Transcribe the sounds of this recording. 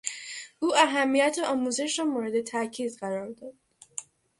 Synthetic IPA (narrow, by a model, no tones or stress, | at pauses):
ʔuːʔæɦæmːijæt̪ʰeɒːmuze̞ʃɾɒːmoːɾe̞d̪e̞t̪ʰæcʰiːd̪ɢæɾɒːɾd̪ɒd̪̥